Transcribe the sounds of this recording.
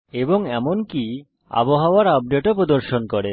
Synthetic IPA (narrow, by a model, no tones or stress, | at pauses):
eboŋɛmonki | a̰boɦaoaɾɔb̚ɖeʈopɾod̪oɾʃonkɔɾe